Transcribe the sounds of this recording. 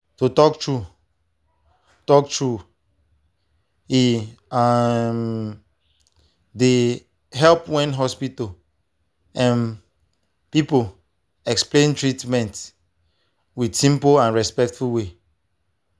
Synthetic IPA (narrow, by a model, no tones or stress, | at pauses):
tutɔktɹu | tɔk̚tɹu | iam | de | ɦɛlpwɛ̃nɦɔspito | ãn | pipo | ɛksplẽntɹitmɛ̃nt | widsĩmpoãnɹɛspɛk̚tfuwe